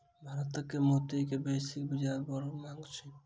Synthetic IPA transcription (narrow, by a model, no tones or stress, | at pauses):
bʱaɾɔt̪ɔkːemot̪ikebesik̚bid͡ʒabɔɾmaŋɡt͡ʃʰi